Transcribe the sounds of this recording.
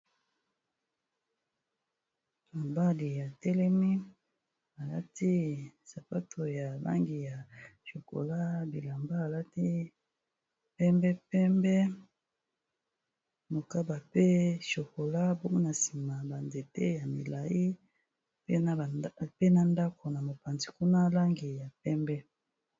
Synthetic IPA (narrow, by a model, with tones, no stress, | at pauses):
a˨ba˦li˨ja˨tɛ˦lɛ˦mi˦ | a˨la̰˦ti˦sa˨pa˦tʰo˨ja˨ba̰˦ŋɡi˨ja˨ʃo˨ko̰˨la˦bi˨la˨mba˦a˨la˦ti˦ | pɛ˦mbɛ˦pɛ˦mbɛ˦ | mo˨ka˦ba˨pe˦ʃo˨ko˨la˦bo˦ŋɡo˦na˨si˨ma˨ba˨nde˨tḛ˦ja˨mi˨la˨ji˦ | pe˦˨pe˦na˦nda˦kʰo˨na˨mo˨pa˨nzi˨ku˦na˦la˦ŋɡi˨ja˨pɛ˦mbɛ˦